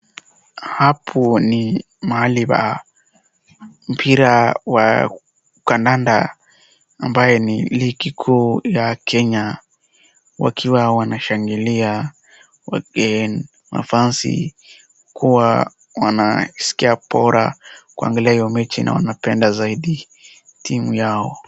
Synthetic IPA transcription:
hapʰuni | maaliba̰ | m̩pʰiɾawa̰ | ukandanda | a̰mbajɛnilikikʰuːjakʰɛɲa | wa̰kʰiwawanaʃaŋɡilia | waɛn | ma̰fansḭ | kʰuwa | wanasi̥kiapɔɾa̰kua̰ŋɡaliahijɔmɛt͡ʃina̰wa̰napɛndazaiɗi | tʰimujaɔ

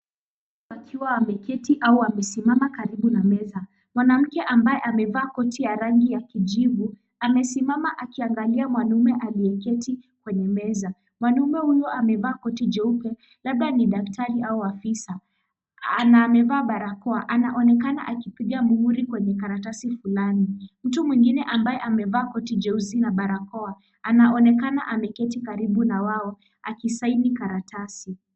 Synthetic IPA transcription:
akʰiwaamɛkɛtiʔauamɛsimamakaɾiɓunamɛza | mwanam̩kɛʔambajɛʔamɛvaːkɔtijaɾaŋɡijakid͡ʒivu | amɛsimamaʔakiaŋɡaliamwanumɛʔaliɛkɛtikwɛɲɛmɛza | mwanumɛhunɔamɛvaːkɔtid͡ʒɛupɛ | laɓaniɗaktʰaɾiauafisa | anamɛvaːɓaɾakɔaʔanaʔɔnɛkana̰ʔakipiɠamuhuɾikwɛɲɛkaɾatasifulanim̩tumwiŋɡinɛʔambaɛʔamɛvaːkɔtid͡ʒɛuzinaɓaɾakɔa | anaɔnɛkana̰ʔamɛkɛtikaɾiɓunawaɔ | akisainikaɾatʰasi

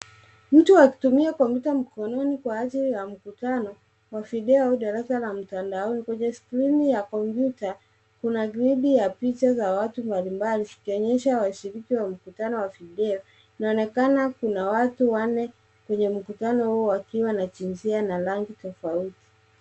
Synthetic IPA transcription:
m̩tuwaki̥tumiakɔmpjutam̩kɔnɔnikwaaθiɾijam̩kutanɔ | wafiɗɛɔɗaɾasalam̩tandaɔnikwɛɲɛskɾinijakɔmpjuta | kunaɡɾiɗijapit͡ʃazawatumbalimbalikikiɔɲɛʃawaʃiɾikiwam̩kutanɔwafiɗɛɔ | inaɔnɛkanakunawatuwanɛ | kwɛɲɛm̩kutanɔhuɔwakiwanat͡ʃinzianalaŋɡitɔfauti̥

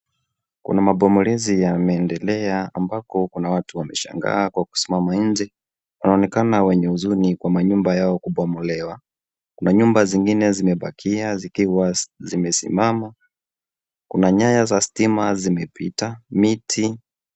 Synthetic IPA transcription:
kṵnamaɓɔmɔlɛzijamɛːndɛlɛaːmbakɔkunawatuwamɛʃa̰ŋɡa̰ːkwaku̥si̥mamaɲn̩d͡ʒɛ | wanaɔnɛkanawɛɲɛuzunikwamaɲumbajaɔkuɓɔmɔlɛwa | kunaɲumbaziŋɡinɛzimɛɓakʰiazikiwazimɛsḭmama | kunaɲajazasi̥timazimɛpitamitʰi

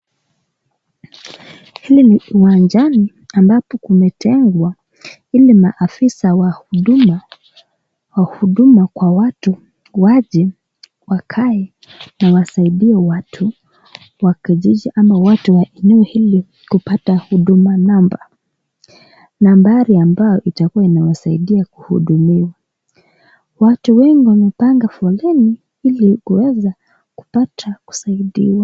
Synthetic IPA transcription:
hiliniwand͡ʒani | ambapɔkumɛtʰɛŋɡwa | ilimaʔːfisawaɗum | wahuɗumakwawatu | waʄɛ | wakʰaɛ | nawasaiɗiɛwatʰu | wakiʄiʄiʔamawatuwaʔɛnuuhili | kupatahuɗumanamba | nambaɾiambajɔʔitakuwainawasaiɗiakuhṵɗumiwa | watuwɛŋɡiwamɛpaŋɡafɔlɛni | ilikuwɛza | ku̥patʰaku̥saiɗḭwa

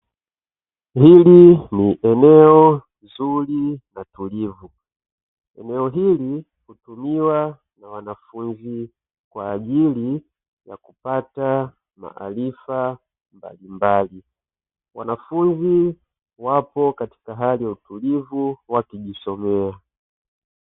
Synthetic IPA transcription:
hiliniʔɛnɛɔ | zulinatulivu | ɛ̰nɛɔɦili | kutumiwa | nawanafunzi | kwaːʄili | ja̰kupata | ma̰ʔa̰lifa | mba̰limbali | wa̰nafunzi | wapɔkati̥kaɦalijautulivuwakiʄisɔmɛa

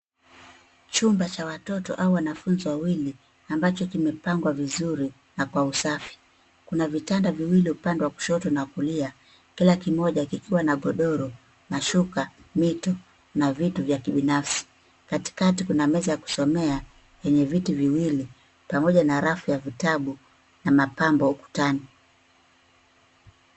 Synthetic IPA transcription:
t͡ʃumbat͡ʃawatɔtɔ̰ʔauwanafunziwawili | ambat͡ʃɔkimɛpaŋɡwavizuɾi | nakwausafi̥ | kunavitandaviwiliupandɛwaku̥ʃɔtɔnakulia | kilakimɔʄakikʰiwanaɠɔɗɔɾɔ | naʃukamitɔ | navituvjakiɓinafsi̥ | kati̥katikunamɛzajaku̥sɔmɛa | jɛɲɛvitiviwili | pamɔʄanaɾafujavitaɓu | namapambɔuku̥tani

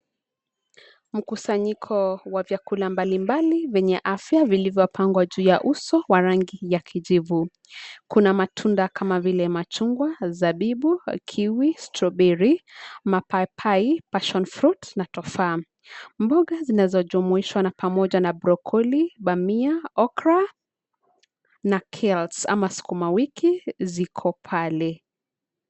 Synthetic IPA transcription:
m̩kusaɲikʰɔwavjakulambalimbalivɛɲɛʔafjavilivjɔpʰaŋɡwaʄuːjaʔusɔwaɾaŋɡijakʰiʄivu | kunamatʰundakʰamavilɛmat͡ʃuŋɡwazaɓiɓukʰiwistɾɔɓɛɾimapapʰaipaʃɔnfɾutnatɔfaː | mbɔɠazinazɔʄumuiʃwanapamɔʄanabɾɔkʰɔliɓamiaɔkɾa | nakʰɛlsa̰masi̥kumawikizikʰɔpʰalɛ

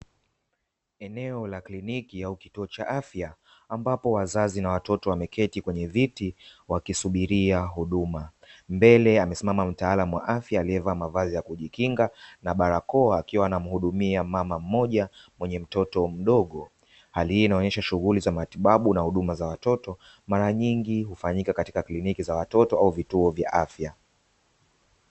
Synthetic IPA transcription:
ɛnɛɔlaklinikiauki̥tuɔt͡ʃa̰ʔafjaː | mbapɔwazazinawatɔtɔwamɛkʰɛtikwɛɲɛvitiwakisuɓiɾiaɦuɗuma | mbɛlɛamɛsimamam̩taalamuwa̰ʔafjaːliɛvamavazijakuʄikiŋɡanaɓaɾakɔaːkiwaːnam̩huɗumiamamam̩mɔʄamwɛɲɛm̩tɔtɔm̩ɗɔɠɔ | halihiinaɔɲɛʃaʃuɣulizamatiɓaɓunahuɗumazawatɔtɔ | maɾaɲiŋɡiɦufaɲikakati̥kaklinikizawatɔtɔauvituɔvjaʔafja

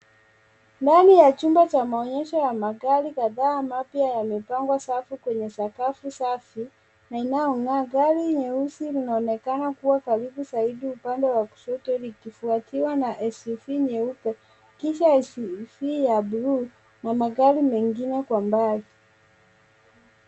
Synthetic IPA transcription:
ndanijat͡ʃumbat͡ʃamaɔɲɛʃɔjamaɡaɾikaðaːmapjajamɛpaŋɡwasafikwɛɲɛsakafusafi | nainajɔŋaɡaɾiɲɛusilinaɔnɛkanakuwakaɾiɓusaiɗiupandɛwaku̥ʃɔtɛlikifuatiwanaʔɛsfiɲɛupɛ | kiʃaɛsfijabuɾu | namaɡaɾimɛŋɡinɛkwambali

